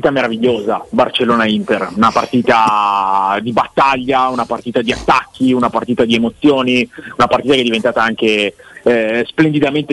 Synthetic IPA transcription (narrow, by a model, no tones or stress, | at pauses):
it̪ameɾaviʎːoːzabart͡ʃelːoːnaint̪erunapart̪iːt̪a | d̪ibat̪ːaʎːaunapart̪iːt̪ad̪iat̪ːakːiunapart̪iːt̪ad̪iemot̪sːjoːniunapart̪iːt̪akeɛd̪ːivent̪aːt̪aaŋk̟e | splend̪id̪ament̪e